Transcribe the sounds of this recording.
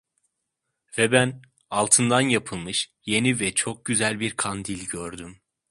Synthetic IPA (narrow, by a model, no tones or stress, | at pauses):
vɛbæn | alˠt̪ʰɯnd̪anjapʰɯlˠmɯʃje̞nivɛt͡ʃʰo̞k̚ɟyzælʲbiɾkʰand̪ilʲɟøɾd̪ym